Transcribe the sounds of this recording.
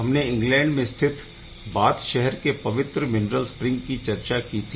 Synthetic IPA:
ɦɐmneɪ̃ŋɡlɛ̃ːɳɖmẽst̪ʰɪt̪ʰ | baːt̪ʃɛɦɛɾkepɐʋɪt̪ɾəmɪnɾəlspɾɪ̃ŋɡkit͡ʃɐɾt͡ʃakiːt̪ʰi

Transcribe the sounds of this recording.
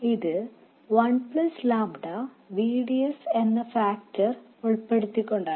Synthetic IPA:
iðɨ | ʋɐnpɭɐslaːmɽɐ | ʋiːɽijɐse̞nːɐfaːk̚tɐr | uɭpːe̞ɽut̪ːikʲːo̞ɳɖaː

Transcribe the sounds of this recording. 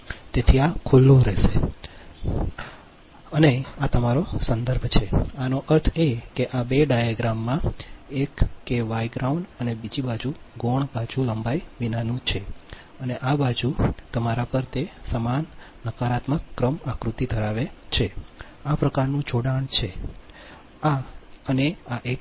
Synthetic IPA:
t̪et̪ʰiakʰulːũɾɛʃe | əneat̪əmaɾosənd̪əɾbʱt͡ʃʰeanoʔəɾt̪ʰekeʔabeɖajaɡɾamːãekːeʋajɡɾauɳɖənebid͡ʒibad͡ʒuɡoɳbad͡ʒuləmbajʋinanũt͡ʃʰe | əneʔabad͡ʒut̪əmaɾapəɾt̪esəmanː | əkaɾat̪məkːɾəmakɾut̪id̪ʱəɾaʋet͡ʃʰe | apɾəkaɾnũd͡ʒoɽaɳt͡ʃʰe | aəneaʔe

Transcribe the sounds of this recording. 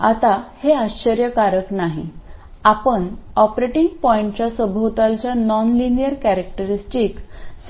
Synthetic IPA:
at̪aheaɕəɾjəkaɾəknaɦḭ | apəɳɔpɾeʈiŋɡpɔiɳʈt͡ɕasəbʱot̪alt͡ɕjanɔnlinijəɾkæɾek̚ʈəɾisʈiːks

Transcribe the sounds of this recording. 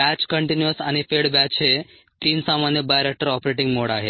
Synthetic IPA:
bæt͡ɕkəɳʈinjuəsaɽ̃ifeɽbæt͡ɕʰe | t̪iːnsamanjəbajɾek̚ʈəɾɔpɾeʈĩŋɡmoɽaɦe

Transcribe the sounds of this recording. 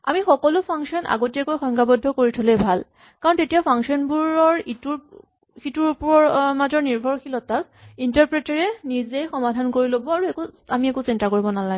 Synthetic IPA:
a̰mixɔkɔlʊpʰaŋksiɔna̰ɡotiakojxɔŋɡabɔdʱːɔkoɹitʰolɛbʱal | kaɹɔntetijapʰaŋksiɔnbuɹɔɹituɹ | xituɹpɔɔɹmazɔɹniɹbʱɔɹxilɔtasintaɹpɹɛtaɹɛnizejxɔmadʱankoɹilobɔaɹuekuamiekusintakoɹibɔnalaɡ

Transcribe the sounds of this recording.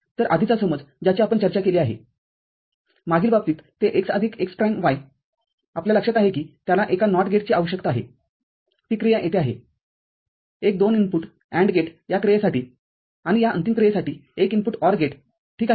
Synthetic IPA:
t̪əɾʔad̪ʱit͡sasəməd͡zd͡ʑat͡ɕjaapəɳt͡ɕəɾt͡ɕakeliaɦḛ | maɡʱiːlbab̚t̪iːt̪t̪ːeʔeksad̪ʱiːkekspɾajmʋaj | apljaləkʂat̪aɦekiːt̪jalaʔekanɔʈɡeʈ̚t͡ɕiaʋəɕəkt̪əaɦḛ | t̪iːkɾijãʔet̪ʰeaɦḛ | ek̚d̪oninpuʈ | ɛ̃ɳɖɡeʈjakɾijasaʈiː | aɽ̃ijaə̰nt̪imkɾijasaʈiːekinpuʈɔɾɡeʈ | ʈʰiːka

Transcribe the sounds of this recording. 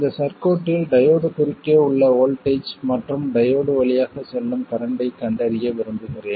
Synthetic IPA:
nd̪ɐsɐɾkoːʈːɪlɖɐjoːɽɯkʊrɪkːeːʊɭːɐoːlʈɐɪt͡ʃmɐʈrɯmɖɐjoːɽɯʋɐɭɪjaːɣɐsɛlːɯmkɐɾɐɳɖɐɪkːɐɳɖɐɾɪjeːʋɪɾɯnd̪ɯɣɪreː

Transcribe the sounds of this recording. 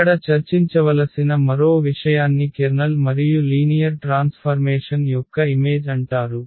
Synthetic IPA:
ɐɽɐt͡ʃɐɾt͡ʃiɲt͡ʃɐʋɐlɐsinɐmɐɾo̞ːʋiʂɐjaːnːikeɾnɐlmɐɾijuliːnijɐɾʈɾaːnspʰɐɾmeɛːʂɐnjɔkːɐime̞ːd͡ʒɐɳʈaːɾu

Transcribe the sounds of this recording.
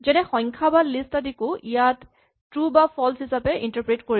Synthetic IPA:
zɛnɛxɔŋkʰabalistadikʊʔijatː | ɹubapʰɔlshisapɛʔintaɹpɹetkoɹi

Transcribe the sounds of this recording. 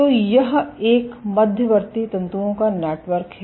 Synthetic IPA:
t̪oːjɐɦeːkmɐd̪ʱjəʋəɾt̪it̪ɐ̃nt̪uõkaneːʈʋəɾkɦɛ

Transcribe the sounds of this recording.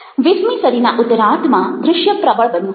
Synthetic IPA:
ʋɪsmisəɾinaʔʊt̪ɾãt̪ʰmãd̪ɾɪʃjəpɾəbəɭbənjũ

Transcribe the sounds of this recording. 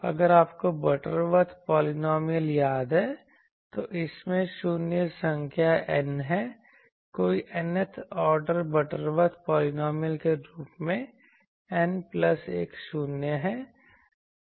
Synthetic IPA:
ɐ̰ɡəɾaːpkobɐʈəɾʋət̪ʰpɔːlɪnɔːmijəljaːd̪ɦɛː | t̪oʔɪsmẽʃuːnjəsə̃ŋkʰjaʔɛnɦɛː | koːiʔɐnət̪ʰɔːɾɖəɾbɐʈəɾʋət̪ʰpɔːlɪnɔːmijəlkeɾuːpmẽ | ɛnplɐseːkʃuːnjəɦɛː

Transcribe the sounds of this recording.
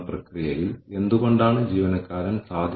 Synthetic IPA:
prɐkrijɐjile̞nd̪uɣo̞ɳɖaːɳɨd͡ʑiːʋɐnɐkːaːɾɐnsaːd̪ʱ

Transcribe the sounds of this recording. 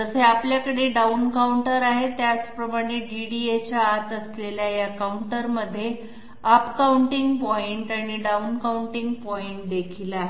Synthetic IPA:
t̪əseapljakəɽeɖaunkauɳʈəɾaɦet̪jat͡spɾəmaɽ̃eɖiɽiet͡ɕjaːt̪əsleljajakauɳʈəɾməd̪ʱːje | əpkauɳʈiŋɡpɔiɳʈaɽ̃iɖaunkauɳʈiŋɡpɔiɳʈ̚d̪ekʰilaɦe

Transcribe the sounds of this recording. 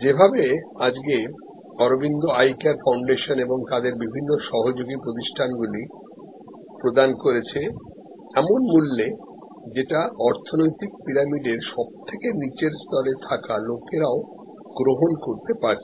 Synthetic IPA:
d͡ʑebʱabead͡ʑɡe | ɔɾobind̪oajkeaɾfawɳɖeʃoneboŋt̪ad̪eɾbibʱinːoʃɔɦod͡ʑoɡipɾot̪̬iʃʈʰanɡuli | pɾod̪ankoɾet͡ɕʰe | ɛmonmulːe | d͡ʑeʈaɔɾt̪ʰonojt̪ik̚piɾamiɖeɾʃɔb̚t̪ʰekenit͡ɕeɾst̪ɔɾet̪ʰakalokeɾao | ɡɾoɦonkoɾt̪epaɾt͡ɕʰe

